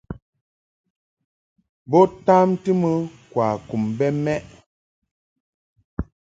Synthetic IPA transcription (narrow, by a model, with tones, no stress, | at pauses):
bɔ˦ta˦mtɨ˦mə˦kwa˨ku˨mbɛ˦mɛ˦ʔ